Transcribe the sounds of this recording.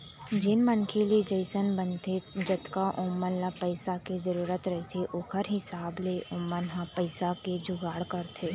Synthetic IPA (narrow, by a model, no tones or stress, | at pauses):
d͡ʒɪnmənkʰelied͡ʒəɪsənbənt̪ed͡ʒət̪kaʔʊmːənlapəɪsakezəɾuːɾət̪ɾɐɦet̪ʰeʔʊkʰəɾɦɪsaːbleʔʊːmːənɦapəɪsaked͡ʒʊɡaːɽkəɾt̪ʰeː